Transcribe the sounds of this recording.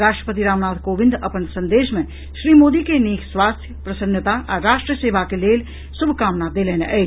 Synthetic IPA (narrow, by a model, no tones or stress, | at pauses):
ɾaːʃʈɾəpət̪iɾaːmnaːd̪koːʋɪ̃nd̪ɐpənsɐ̃nd̪eːʃmẽ | ʃɾiːmoːd̪ikeniːksʋaːst̪ʰjəpɾɐsənət̪aʔaɾaːʃʈɾəseːʋʱakeleːl | sʊbʱkaːmnaːd̪eːlɛːneʔɐi